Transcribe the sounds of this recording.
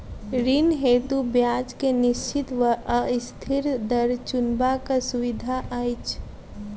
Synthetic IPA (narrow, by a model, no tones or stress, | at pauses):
ɾɪnɦeːt̪ubjaːd͡ʒkenɪʃt͡ʃɪt̪ʋəəst̪ʰɪɾd̪əɾt͡ʃʊnbakasʊʋɪd̪ʱaʔajt͡ʃʰ